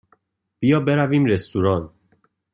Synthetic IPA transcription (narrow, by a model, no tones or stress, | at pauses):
b̥ijɒːbe̞ɾæviːmɾest̪uɾɒːn